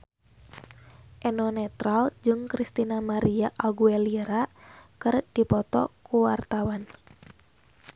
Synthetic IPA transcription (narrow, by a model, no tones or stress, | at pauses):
ʔɛnɔnɛt̪ɾald͡ʒɨŋkɾist̪inamaɾiaʔaɡuɛliɾakɨrd̥ipɔt̪ɔ̰kuwart̪awan